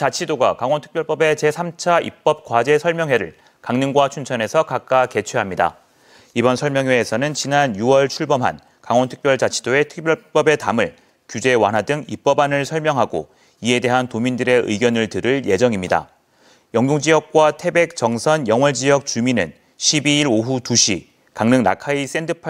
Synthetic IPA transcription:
t͡ɕat͡ɕʰidoɡakaŋwʌntʰɯ̥k̚pjʌɭp͈ʌbe̞t͡ɕe̞sʰamt͡ɕʰaʔḭp̚p͈ʌp̚kwad͡ʑe̞sʰʌɭmjʌŋɦwe̞ɾɯ̰ɭ | kaŋnɯŋɡwat͡ɕʰunt͡ɕʰʌne̞sʰʌkak͈̚ake̞t͡ɕʰweɦamɲida̰ | ibʌnsʰʌɭmjʌŋɦwe̞ːsʰʌnɯnt͡ɕinanjuʌɭt͡ɕʰuɭbʌmɦa̰n | kaŋwʌntʰɯ̥k̚p͈jʌɭt͡ɕat͡ɕʰi̥doe̞tʰɯ̥k̚p͈jʌp͈ʌbe̞tamɯɭ | kjud͡ʑe̞wa̰nɦadɯŋip͈ʌbanɯɭsʰʌɭmjʌŋɦaɡo̰ | ie̞de̞ɦantomindɯɾe̞ʔɯ̰iɡjʌnɯɭtɯɾɯɭje̞d͡ʑʌŋimɲida̰ | jʌŋɡjoŋd͡ʑiʌk̚k͈watʰe̞be̞k̚t͡ɕʌŋsʰʌnjʌŋwʌɭd͡ʑijʌk̚t͡ɕuminɯ̰n | ɕʰibiiɾoɦutuɕʰi | kaŋnɯŋna̰kʰais͈e̞ndɯpʰ

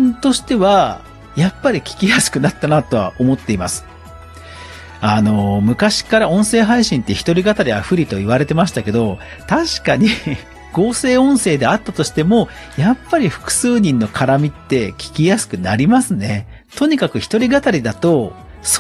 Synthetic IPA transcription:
nt̪o̞ɕi̥t̪e̞βa | japːaɾʲikʲi̥kʲijasɨ̥kɯ̟nat̪ːanat̪o̞βa̰ʔo̞mo̞t̪ːe̞imasɨ̥ | ano̞mɯ̟kaɕi̥kaɾaõ̞ɰ̃se̞ːɦaiɕĩnt̪ːe̞çi̥t̪o̞ɾʲiɡat̪aɾʲiaɸɯ̟ɾʲit̪o̞iβ̞aɾe̞t̪e̞maɕi̥t̪ake̞d̪o̞ | t̪aɕi̥kaɲ̟i | ɡ̥o̞ːse̞ːõ̞ɰ̃se̞ːd̪e̞at̪ːat̪o̞ɕi̥t̪e̞mo̞ | japːaɾʲiɸɯ̟̥kɯ̟̥sɨːɲ̟ĩnːo̞kʰaɾamʲit̪ːe̞kʲi̥kʲijasɨ̥kɯ̟naɾʲimasɨne̞ | t̪o̞ɲ̟ikakɯ̟çi̥t̪oɾʲiɡat̪aɾʲid̪at̪o̞ | s

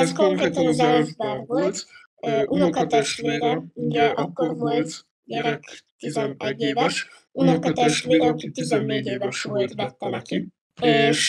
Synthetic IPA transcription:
skoŋkɾeːt̪ɒnzɛlʒbaːrvolt̪ː | ʔunokɒt̪ɛʃt̪ʋeːɾɛuɟɛʔɒkːorvolt̪ | ɟɛɾɛkt̪izɛnɛɟːeːvɛʃ | unɒkɒt̪ɛʃt̪ʋeːɾɛɒkit̪izɛnːeːɟeːvɛʃʋolt̪bɛt̪ːɛnɛki | eːʃ

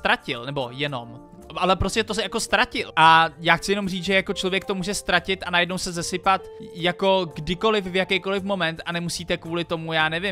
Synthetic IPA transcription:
t̪ɾacɪ̰lnɛbo̞jɛno̞̰m | ʔalɛpɾo̞scɛt̪osɛjako̞st̪ɾacɪ̰lʔajaːxt͡sɪjɛno̞mriːt͡sʒɛjako̞t͡ʃlo̞vjɛk̚t̪o̞muːʒɛst̪ɾacɪt̪ʔanajɛdnowsɛzɛsɪpat̪jako̞ɡdɪko̞lɪfvjakɛjko̞lɪfmo̞mɛnt̪anɛmusiːt̪ɛkvuːlɪt̪o̞mujaːnɛvɪm

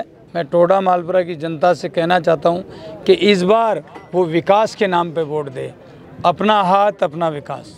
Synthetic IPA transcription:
mɛ̃ːʈoːɽamaːlpɾakid͡ʒɐnt̪asekɛɦnat͡ʃaːɦt̪aɦũːkeʔɪs̬baːɾʋoʋɪkaːskenaːmpeboːʈd̪ḛː | ɐpnaɦaːt̪ɐpnaʋɪka̰ːs

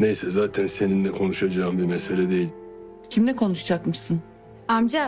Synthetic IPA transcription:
nejsɛzaːt̪ʰænseninlɛkʰo̞nuʃad͡ʒaːɯmbiɾmɛselʲɛd̪e̞jilʲ | cʰimlɛkʰo̞nuʃd͡ʒakmɯʃsɯn | amd͡ʒa

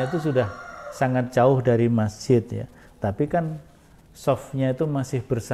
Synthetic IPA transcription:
it̪̬us̬udahsaŋat̪̚d͡ʒaʊhdaɾimat͡ʃɪt̪̚ja̰ | t̪apikan | sɔfɲait̪umasɪhbərs

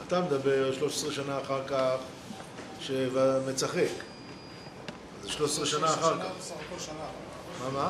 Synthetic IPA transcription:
at̪amed̪abeʁʃlo̞ʃesʁeʃanaːχaʁkaχ | ʃevamet͡saχek | azeʃloʃesʁeʃanaːχaʁkaχ | mama

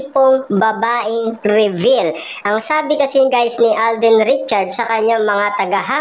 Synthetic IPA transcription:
poŋbɐbaːʔɪŋɾɪvil | ʔɐŋsaːbɪkɐsɪŋɡaːjsnɪʔald̪ɪnɾɪt͡ʃɐɹd̪sɐkɐɲaŋmɐŋat̪ɐɡɐɦa

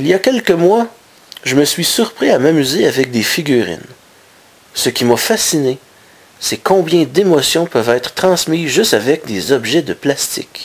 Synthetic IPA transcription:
iljakʲɛlkəmwa | ʒəməsɥisyʁpʁiamamyzeavɛk̚d̪efiɡʲyʁɪ̰n | səkʲimafasine | sɛkɔ̃bjɛ̃d̪emɔsjɔ̃pœvɛːt̪χə̥t̪χɑ̃smiʒɨst̪avɛk̚d̪ezɔbʒɛd̪əplast̪ɪ̰k

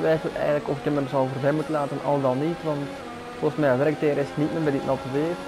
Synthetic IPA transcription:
ʋɛjfəlɛ̰jɣəndləkɔfɪkəməzɑvərbɛmutənlaːtənʔɑ̰lˠdɑnːitʋɑnt | volˠɣəsmɛjəʋɛɾk̚teːɾɪsətnit̚məbɛdɪtnʔɑtəʋeː

